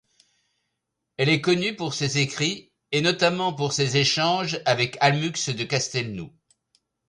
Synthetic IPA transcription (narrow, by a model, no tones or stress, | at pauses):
ɛlɛkɔnypuʁsezekχi | enɔt̪amɑ̃puʁsezeʃɑ̃ʒavɛkalmyksd̪əkast̪ɛlnu